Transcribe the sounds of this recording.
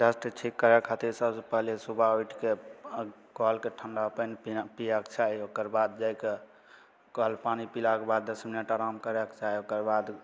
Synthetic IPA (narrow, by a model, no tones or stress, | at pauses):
d͡ʒasʈt͡ʃʰikːəɾɛkʰat̪iɾsəbsəpəɦlesubʱaoiʈʰke | kɔlkeʈʰəɳɖaəpənpijɛkt͡ʃʰaiokəɾbad̪̚d͡ʒajke | kɔlpanipilakebad̪ːəsminəʈaɾamkəɾɛkt͡ʃaiokəɾbad̪